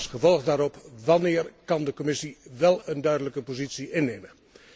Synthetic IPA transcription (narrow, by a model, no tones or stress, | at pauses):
sχəvɔlˠɣdaːɾɔpʋɑnɪːrkɑndəkɔmɪsiʋɛlˠəndœɥdələkəpozitsiɪnːejmə